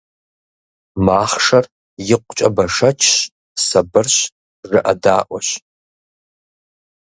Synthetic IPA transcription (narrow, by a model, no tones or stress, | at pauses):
maːχʂɐr | jɪqʷt͡ʃʼɐbɐʂɐt͡ʃʰɕ | sɐbɨrɕ | rɨʔɐ̰daːʔʷɔɕ